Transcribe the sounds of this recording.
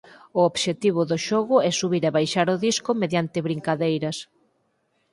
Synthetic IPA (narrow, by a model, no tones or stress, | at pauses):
ʊoβʃet̪iβ̞ʊðʊʃɔɣʊɛsuβiɾaβajʃaɾʊðiskʊmeðjant̪ɪβɾiŋkaðejɾɐs